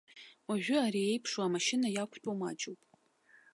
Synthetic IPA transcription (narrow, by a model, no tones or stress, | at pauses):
waʒᶣʊaɾiejpʰʂoamaʃɪnajakʷʰʼt͡pʷʼoma̰d͡ʒʼowpʼ